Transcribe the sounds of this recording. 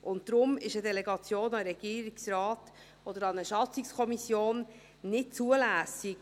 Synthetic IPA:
ʔʊntd̪ɾʊmɪʃədɛlɛɡɑt͡sjoːnɑɾɛɡ̥iːɾiksrɑːt | ɔd̪əɾɑnəʃɑt͡sɪkskʰɔmisjoːn | nɪt̚t͡suəlæːsiɡ

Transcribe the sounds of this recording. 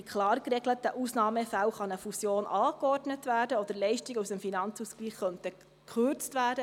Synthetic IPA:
ikχlɑːrkrɛɡlətːəʔusnɑːməfæwχɑnəfusjoːnʔɑːkɔrdnətʋæːɾdəɔd̥̪əɾlɛɪʃtiɡəusəmfinɑnt͡suskliːχːœntə | kʰʏɾt͡stʋæːdə

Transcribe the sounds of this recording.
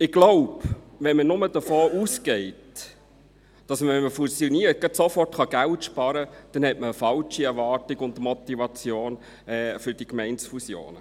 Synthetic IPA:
ɪɡ̥loʊb | ʋɛnmənʊməd̥əfoːʔuːsɡɛɪt | d̥ɑsməʋɛnməfusjoniːəɾt̚ɡ̥ɑtsofɔrtχɑɡ̥æltʃpɑɾəd̥ɛnhɛtməəfɑlt͡ʃiɛɾʋɑːrtɪɡʊndmɔt̪ːivɑt͡sjoːn | ɛfʏɾd̥ikmɛɪnsfusjo̰ːnə

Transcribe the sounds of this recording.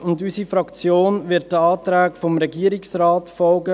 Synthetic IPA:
ʊndysifɾɑkt͡sjoːnʋɪɐt̚dəɑːt̪ɾæːkfɔmɾɛɡiəɾɪksrɑːtfɔlɡə

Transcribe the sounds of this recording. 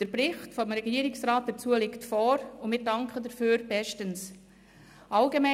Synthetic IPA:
d̥əɾbɾɪχtfɔmɾɛɡiːəɾɪksɾaːt̚d̥ɛt͡suəlɪktfoːɾʊnmɪdɑŋkʰədəɾfyːɾb̥ɛʃtəns | ʔɑlɡemɛ

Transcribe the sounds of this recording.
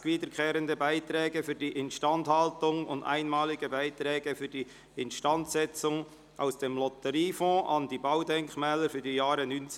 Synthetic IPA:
viːdəɾkʰɛːɾəndəbaɪtɾɛːɡəfyːdiːʔɪnʃtɑnthɑltʊŋʊ̰nda̰ɪnmɑːlɪɡəbaɪtrɛːɡəfyːd̥iː | ɪnʃtɑntsɛt͡sʊŋ | ʔa̰ʊsd̥eːmlɔtəɾiːfɔ̃ːʔɑnd̥iːbaʊdɛŋkmɛːləɾfyːdijaːɾənyn

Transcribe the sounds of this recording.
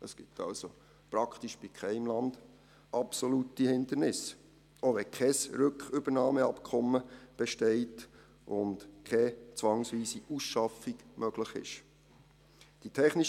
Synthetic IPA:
əsɡ̥ɪtʰɑ̰lso | pɾɑkʰtiʃb̥ɪkʰχɛɪmlɑnd̥ | ʔɑpsolutihɪnd̪ənɪs | oʋɛkʰɛsɾʏkχʏb̥əɾnɑːməɑpkʰɔmːəb̥ɛʃtɛɪt | ʊndkʰɛt͡sʋɑŋsʋiːsiʔusʃɑfiɡ̥mœɡ̥ləχɪ̰ʃ | d̥itʰɛχniʃ

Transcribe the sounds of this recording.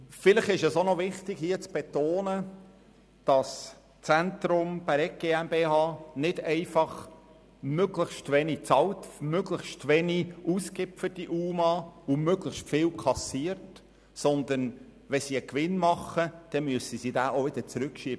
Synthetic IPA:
fɪləχɪʃɛsonɔʋɪχtɪɡ̥hiət͡sb̥ɛt̪oːnə | d̥ɑs | t͡sænt̪ɾʊmb̥ɛɾɛk̚ɡ̥eːæmbeːhɑːnɪdɛɪfɑχ | møɡləxʃtʋɛnit͡sɑltmøɡləxʃtʋɛniuːskɪpfətiʔuːmɑʊmøɡləχʃtfɪːlkʰɑsiːəɾt | sɔnd̪ən | ʋɛsiəkʋɪnmɑχəd̥ɛmyəsəsidæːʔoʋɪd̥̪əɾt͡sɾʉkʃiːb̥ə

